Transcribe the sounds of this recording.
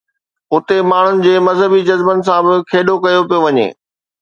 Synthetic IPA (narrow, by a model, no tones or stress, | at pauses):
ʊt̪emaːɳ̤ʊnɪ̆d͡ʑeːmɐzɦəbid͡ʑɐzbənɪ̆s̬ãbɪkʰeːɗokɐjopijoʋɐɲḛː